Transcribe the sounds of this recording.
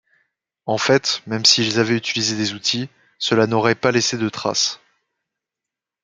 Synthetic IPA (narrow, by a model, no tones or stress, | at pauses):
ɑ̃fɛt̪mɛmsiːlzavɛyt̪ilized̪ezut̪ʰi | səlanɔʁɛpalesed̪ət̪χa̰s